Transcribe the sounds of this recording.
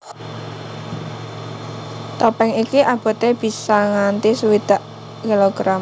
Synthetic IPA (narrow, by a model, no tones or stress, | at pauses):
t̪opɛŋikiʔab̥ɔ̤t̪eb̥i̤saŋant̪isuwid̪̥a̤ʔ | kiloɡ̥ɾam